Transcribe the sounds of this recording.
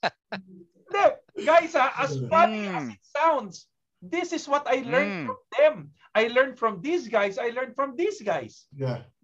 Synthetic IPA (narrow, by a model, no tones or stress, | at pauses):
ɪnd̪ɛɡajsaʔɐsfaɪ̃ŋɐsɪt̪̚sãwnd̪s | ðɪsɪswɔt̪ajlɛɹnfɹɔ̃mðɛ̃m | ʔajlɛɹnfɹɔ̃md̪isɡajsajlɛɹnfɹɔ̃mðisɡajsja